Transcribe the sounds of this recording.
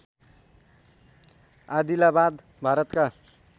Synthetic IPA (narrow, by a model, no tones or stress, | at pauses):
ad̪ilabad̪ | bʱaɾʌt̪ka